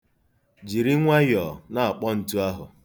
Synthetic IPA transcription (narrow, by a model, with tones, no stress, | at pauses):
d͡ʒi˨ɾi˦ŋʷa˦jɔ˨na˨a˨k͡pɔ˦n̩˨tu˦a˦ɦʊ̰˨